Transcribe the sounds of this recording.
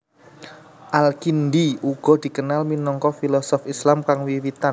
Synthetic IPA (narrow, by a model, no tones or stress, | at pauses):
ʔalkind̪iuɡ̥ɔ̤d̪̥i̤kənalminɔŋkɔfilɔsɔfislamkaŋwiwit̪an